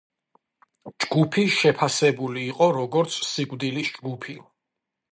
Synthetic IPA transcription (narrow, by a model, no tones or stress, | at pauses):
d͡ʒɡupʰiʃɛpʰasɛbuliːqʼɔɾɔɡɔɾt̪sʰsiɡvd̪ilisd͡ʒɡupʰi